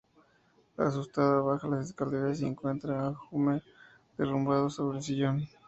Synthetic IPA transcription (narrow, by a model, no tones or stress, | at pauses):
la̰s̬ust̪aðaβaxalaseskald̪eɾas̬ieŋkwe̞nt̪ɾaaxume | d̪̥erumbað̞oso̞βɾelsiʝon